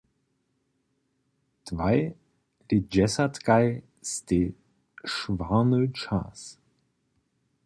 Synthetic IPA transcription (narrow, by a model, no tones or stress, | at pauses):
d̥vaɪ | ɾed͡ʒɛsɐtɡaɪ | ste | ʃvaːnət͡ʃa̰s